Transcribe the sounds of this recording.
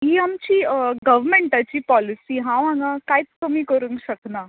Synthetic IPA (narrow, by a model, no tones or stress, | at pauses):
iːamt͡ɕiːɡəʋmeɳʈat͡ɕiːpɔlisiːɦãʋãŋɡãkajit͡sk̪əmikəɾuŋɡɕəkna